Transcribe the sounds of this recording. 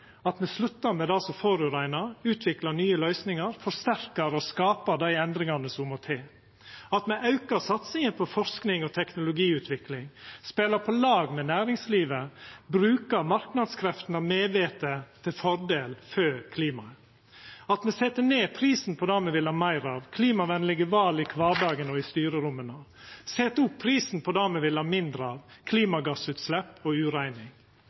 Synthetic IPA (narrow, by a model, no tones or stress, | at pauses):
ɑt̪mɛslʉt̪ːəɾmɛd̪ɑlsɔfoːɾʉɾæɪnɑɾʉːt̪ʰʋɪklɑnyːəlœʏsnɪŋɑɾfɔɾst̪æɾkəɾɔskɑːpəɾd̪æɪɛnd̪ɾɪŋɑnəsɔmɔt̪ʰeː | ɑt̪mɛʔɑʉkəɾsɑt̪sɪŋəpʰɔfɔɾsknɪŋɔt̪ʰɛknʊlʊɡiːʉːt̪ʰʋɪklɪŋspeːləɾpʰɔlɑːɡmɛnæːɾɪŋsliːʋəbɾʉːkəɾmɑɾknɑd̪skʰɾɛft̪n̩ɑmeːʋeːt̪ət̪ʰɪlfɔɾd̪eːlføːkʰliːmɑ̰ | ɑt̪mɛsɛt̪ːəneːpʰɾiːsn̩pʰɔd̪ɑːmɛʋɪlhɑɾmæɪɾɑʋkʰliːmɑʋænlɪɡəʋɑːlɪkʰʋɑːɖɑːɡənɔɪst̪yːɾəɾʊmːənosɛt̪əʊpʰːɾiːsnpʰɔd̪ɑːmɛʋɪlɑːmɪnd̪ɾəɑʋkʰliːmɑɡɑsʉːt̪slɛpːɔʉːɾæɪnɪŋ